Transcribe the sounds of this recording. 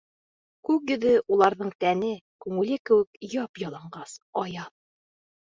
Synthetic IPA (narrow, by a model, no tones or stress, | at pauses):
kʉkjɵ̆ðɘʔulˠɑɾðɤɴt̪ænɘkʉŋɘ̆lɘkɘ̆wɘ̆kjɑpjɑlˠɑɴɢɑsɒjɑt̪̚